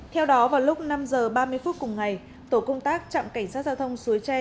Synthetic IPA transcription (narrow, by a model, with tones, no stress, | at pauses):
t̪ʰɛ˧wɗɔ˨˦vaː˨˩wlʊ˦˥k͡p̚na˧mzəː˨˩ɓaː˧mɨ˧əjfu˦˥t̚kʊ˨˩ŋ͡mŋa˨˩j | t̪o˧˩kə˧wŋ͡mt̪aː˦˥k̚t͡ɕa̰˧˨mka˧˩jŋ̟saː˦˥t̚za˧wt̪ʰə˧wŋ͡msu˨˦əjt͡ɕɛ˧